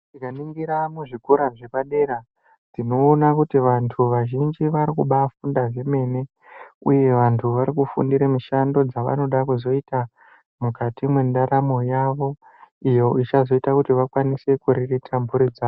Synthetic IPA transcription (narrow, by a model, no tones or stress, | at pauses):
dikaniŋɡiɾamuʐikuɾaʐepaɗe̞ɾa | d͡zino̞ːnakutiʋantʰuʋaʒind͡ʒiʋaɾikuɓafundaʐe̞me̞ːne̞ | uje̞ʋantʰuʋaɾikufṵndiɾemuʃando̞d͡zaʋa̰no̞ɗakuzo̞ita | mukatimwendaɾamo̞jaʋo̞ | ijo̞it͡ʃazo̞itakutiʋakwanise̞kuɾiritʰambʱuɾid͡zaːo